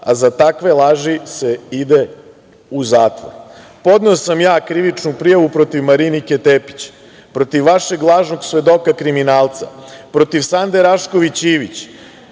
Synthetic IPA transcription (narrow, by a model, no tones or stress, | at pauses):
a̰zat̪akʋe̞lˠaʒise̞id̪e̞ | uzaːt̪ʋo̰ɾ | po̞d̪neosamjaːkɾiʋit͡ʃnupɾijaʋupɾo̞t̪iʋmaɾiniket̪epi̥t͡ɕ | pɾo̞t̪iʋːaʃe̞ɡlˠaːʒno̞ɡsʋe̞d̪o̞kakɾiminaːlˠt̪sa̰pɾo̞t̪iʋsand̪e̞ɾaʃko̞ʋit͡ɕiːʋit͡ɕ